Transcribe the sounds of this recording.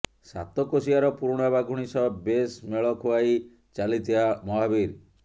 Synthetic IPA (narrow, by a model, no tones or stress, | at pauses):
sa̰t̪ɔkosiaɾɔpuɾɽ̃abaɡʱuɽ̃isɔbesmeɭɔkʰoaj | t͡ʃalit̪ʰibamɔɦabiɾ